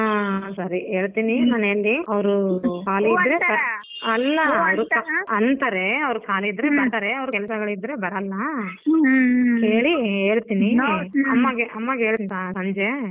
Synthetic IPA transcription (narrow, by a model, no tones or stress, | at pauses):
aːsɐɾieːɭt̪iːninaːnelːiɐʋɾukaːliːd̪ɾeɐ | ɐlːɐɐʋɾukaɐnt̪ɐɾeɐʋɾusaːliːd̪ːɾebɐɾt̪aɾeɐʋɐɾukɛlɐsɐɡɐɭid̪ɾe̞bɐɾɐlːɐ | keːɭieːɭt̪iːniɐmːɐɡeʔɐmːɐɡeːɭt̪asɐɲd͡ʒe